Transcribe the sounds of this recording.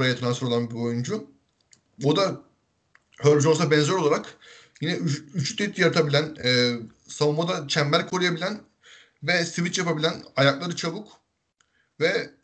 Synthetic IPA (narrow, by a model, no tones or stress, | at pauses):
ɾajat̪ʰɯnansɯɾoanbio̞jund͡ʒu | od̪a | høɾbd͡ʒonsabɛnzøɾolˠaɾak | jinɛyyt͡ʃʰy̥t̪it̪ʰjaɾt̪ʰabilʲænɯː | savumad̪at͡ʃʰæmbæɾkʰo̞ɾujabilʲæn | vɛsivit͡ʃjapabilʲænajaklˠaɾɯt͡ʃʰabuk | vɛ